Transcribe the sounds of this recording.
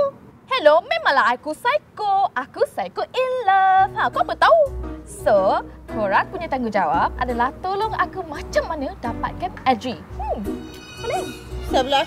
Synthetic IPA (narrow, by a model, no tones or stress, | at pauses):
hɛlomẽmãŋlaɦakusajkoʔakusajkoʔiləfãkuapət̪awsokoɹaŋ̚puɲat̪aŋɡud͡ʒawap̚a̰dalaht̪oloŋakumãt͡ʃəmːanədapat̪̚kanɛdɹi | hɛlo | səbla